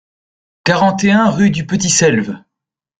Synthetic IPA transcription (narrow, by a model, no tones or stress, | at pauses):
kaʁɑ̃t̪eɛ̃ʁyd̪ypət̪̬isɛlv